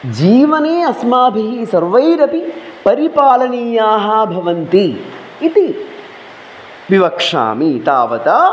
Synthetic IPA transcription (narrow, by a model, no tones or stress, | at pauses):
d͡ʒiːʋɐneːɐsmaːbʱiɦisɐɾʋɐjɾɐpipɐɾipaːlɐniːjaːɦɐbʱɐʋɐnt̪iː | t̪i | ʋiʋɐkʂa̰ːmit̪a̰ːʋɐt̪aː